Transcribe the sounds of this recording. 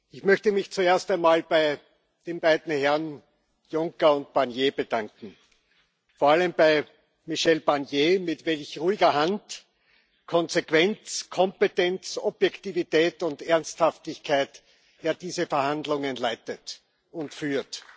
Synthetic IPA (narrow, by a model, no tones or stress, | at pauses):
ɪçmœçtəmɪçt͡sueːɐstæɪnmaːlb̥aɪ | d̥eːmbaɪdn̩hɛɐn | jʊŋkɐʊnt̚b̥aɐnjeːbədãŋkŋ̩ | foɐaləmbaɪ | miʃɛlb̥aɐnjeːmɪtvɛlçʁuːɪɡɐɦant | kʰɔnzekv̥ɛnt͡skʰɔmpetɛnt͡sɔb̥jɛktivitɛːtʊntɛɐnsthaftɪçkʰaɪt | jaːɐd̥iːzəfɛɐhandlʊŋənlaɪtət | ʊntfyːɐt